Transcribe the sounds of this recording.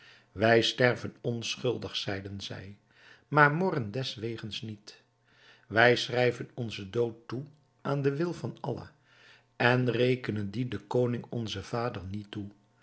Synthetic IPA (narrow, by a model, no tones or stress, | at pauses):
ʋɛjstɛɹvənɔnsχɵlˠdəχsɛjdənzɛ̰j | maːɹmɔrəndɛsʋejχənsnit | ʋɛjsrɛjvənɔnzədowtːu | ʔaːndəʋɪlˠvɑnɑ̰lə̰ | ɛnrejkənəndidəkownɪŋɔnzəv̥aːdəɹnitu